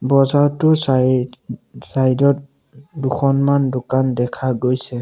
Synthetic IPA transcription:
bɔzaɹtʊs | sajdɔt̚ | duxʰɔnmandʊkandɛkʰaɡojsɛ

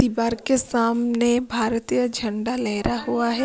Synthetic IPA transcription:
ibaːɾkesaːmnebʱaːɾt̪ijəd͡ʒʱɐ̃ɳɖalɛɦɾaɦuaɦɛː

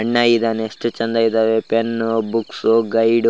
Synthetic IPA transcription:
ɐɳːajid̪aːneeʂʈɨt͡ʃɐnd̪aid̪aːʋepenbuksuɡɐjɖ

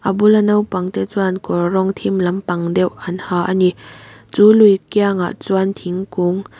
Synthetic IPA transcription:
ʔabulanɐwpaŋt̪et͡swankɔrɔŋt̪ʰimlɐmpɐŋdɛwɐnhaʔanit͡sulujkjaŋa̰ʔt͡swant̪ʰiŋkuŋ

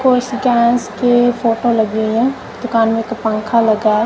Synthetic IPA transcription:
koɪsikɛ̃ːnskefʰoːʈolɐɡeɦɛ̃ː | d̪ʊkaːnmẽkapə̃ŋkʰalɐɡaː

